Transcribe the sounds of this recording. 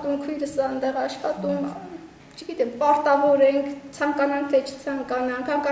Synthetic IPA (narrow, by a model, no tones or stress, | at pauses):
t̪uŋkʰujɾəsɑnd̪ɛʁɑʃχɑt̪uŋʰ | t͡ʃʰəɡit̪ɛmpɑɾt̪ɑvɔɾɛŋkʰt͡sʰɑŋkɑnɑŋk̚ʰt̪ʰɛt͡ʃʰə̥t͡sʰɑŋkɑnɑŋkʰɑŋkɑ